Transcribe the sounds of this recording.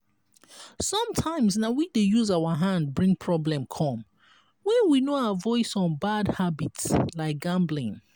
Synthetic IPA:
sʌ̃mtʰãɪ̃msnawidejuzaəɦãndbɹĩŋpʰɹɔblɛ̃mkʰɔ̃m | wɛ̃nwinoawəvɔɪsɔ̃nbadhabitslaɪk̚ɡ̥ãmblĩŋ

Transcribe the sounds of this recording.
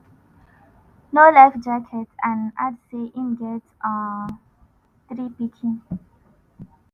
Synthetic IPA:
nolɛfd͡ʒakʰɛtʰãna̰dseʔĩnɡɛtɔ | t̪ɾipikʰĩŋ

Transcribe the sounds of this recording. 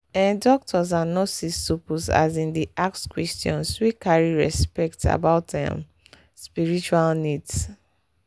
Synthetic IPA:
ɛ̃ndɔk̚tʰɔzanosisːopuza̰zĩndiʔak̚skwɛstjɔ̰̃nswikaɹiɹɛspɛk̚ta̰baʊtɛ̰̃m | spiɹit͡ʃualnids

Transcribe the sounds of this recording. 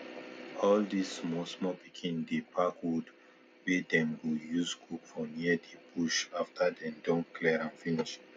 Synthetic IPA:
ɔldismɔsmɔpikʰĩndepʰakwud | wɛdɛ̃mwijuzɡukfɔniədebuʃaftʰadɛ̃ndɔ̃nkʰlɛɹãnfiniʃ

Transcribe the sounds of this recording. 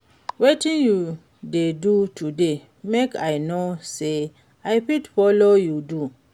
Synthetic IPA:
wetĩnju | dedutʰude | mekaɪnose | aɪpitfɔlojudu

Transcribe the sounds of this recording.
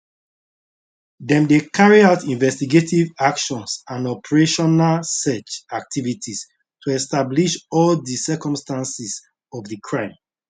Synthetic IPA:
dɛ̃mdekʰaɹiaʊtĩnvɛstiɡetʰivakʃɔ̃nsãnɔpʰəɹeʃɔnalsɛt͡ʃak̚tʰivitʰis | tʰuɛstabliʃɔldisɛkɔ̃mstãnsis | ɔvdikʰɹãɪ̃m

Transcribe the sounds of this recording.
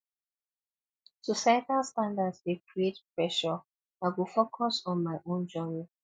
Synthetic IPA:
sɔsajtalstãndadswekɹietpɹɛʃɔ | aɪwilfokʰɔsɔ̃nmaɪʔõnd͡ʒɔmĩ

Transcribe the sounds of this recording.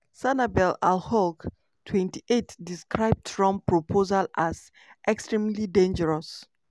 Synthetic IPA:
sanabɛlalhɔlk | tʰwɛ̃ntiʔetdiskɹaɪb̚dfɹɔ̃mpɹopʰozalaz | ʔɛkstɹĩmlidẽnd͡ʒəɹɔs

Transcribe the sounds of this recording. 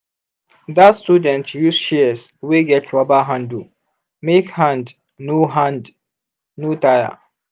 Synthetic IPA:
datstudɛ̃ntjusʃɛsweɡɛtʰɹɔbaɦãndu | mekhãnd | noɦãnd | notaja̰

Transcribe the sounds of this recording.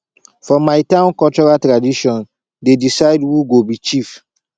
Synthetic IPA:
fɔmajtãʊ̃nkɔlt͡ʃɔɹaltɹadiʃɔ̃n | dedisaɪdwuɡobit͡ʃif

